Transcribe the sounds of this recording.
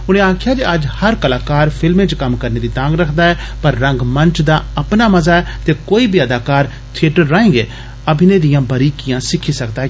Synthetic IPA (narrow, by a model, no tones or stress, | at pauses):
ʊñẽːãːkʰjaːd͡ʒeəd͡ʒhəɾkəlaːkaːɾpʰɪlmẽːt͡ʃkəmkəɾneːd̪iːt̪ãːɡɾəkʰd̪aːɦɛːpəɾːə̃ŋɡmə̃nt͡ʃd̪aːəpnaːmɐzaːɛːt̪eːkoːiːbiəd̪aːkaːɾ | t̪ʰɪeʈəɾːaːẽːɡeː | əbʱɪnẽːd̪ɪjãːbəɾiːkɪjãːsɪkʰːiːsəkd̪aːɛ